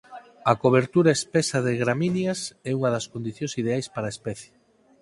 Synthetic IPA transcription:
ɐkoβeɾt̪uɾaespɛsaðeɣɾaminjasɛuŋɐðɐskond̪iθjõŋsið̞eajspaɾaespɛθje̥

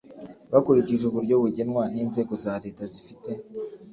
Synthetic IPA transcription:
βakuɾiciʒuβuɾɟo̞βuɟe̞nwaniːnze̞ːɡo̞zaːɾe̞ːtazifite̞

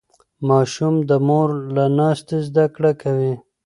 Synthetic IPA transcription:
mɑːʃumd̪əmoɾlanɑːst̪ezd̪akɽakawi

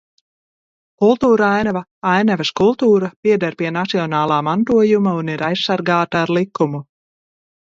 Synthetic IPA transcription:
kulˠt̪uːɾajnavaajnavɛskulˠt̪uːɾapʲiɛd̪aɾpiɛnat̪siɔnɑːlˠaːmant̪uɔjumauniɾajssaɾɡaːt̪aːɾlˠikːumu

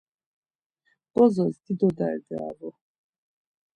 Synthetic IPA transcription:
b̥ɔzɔzd̪id̪ɔd̪a̰ɾɛd̪ɛa̰ɾɔ

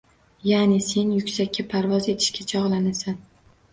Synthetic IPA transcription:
janɪse̞njʊkʲsakʲːapʰaɾvɒze̞t̪ʰɪ̥ʃkʲʰat͡ʃʰɒʁlˠanasan

